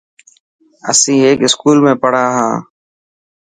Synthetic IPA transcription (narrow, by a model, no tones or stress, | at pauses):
ə̰sĩːeːkɪskuːlmẽːpəɽ̤aːɦãː